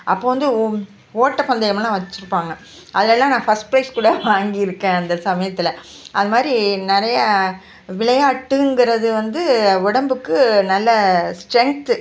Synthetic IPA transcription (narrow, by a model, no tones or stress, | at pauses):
ʔɐpːoːʋɐnd̪ɯ | oːʈːɐpɐnd̪ɐjɐmɐlãːʋɐt͡ʃːɯɾɯpːaːŋɡɐ | ʔɐðɯlɛlːãːnãːfɐsʈpɾɐɪskuːɽɐʋaːŋɡɪjɪɾɯkːẽːɐnd̪ɐsɐmɐjɐt̪ːɪlɐ | ʔɐðɯmaːd̪ɾinɪɾɐjɐ | ʋɪɭɐjaːʈːɯŋɡɪɾɐðɯʋɐnd̪ɯʊɽɐmbɯkːɯnɐlːɐsʈɾɛŋk̚t̪ɯ